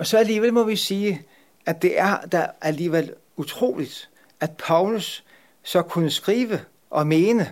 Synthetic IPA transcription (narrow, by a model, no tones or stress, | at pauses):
ɒ̽sɒ̽æliːʋel̰mɒ̽ʋisiː | ʔæd̥e̝ʔæɐd̥æʔæliːʋel̰ | ut͡sʰʁo̝̰ːlid̥ | æd̥̚pʰɑ̈ʊlusː | ɒ̽kʰunəsɡ̥ʁiːʋə | ʔɒ̽me̝ːnə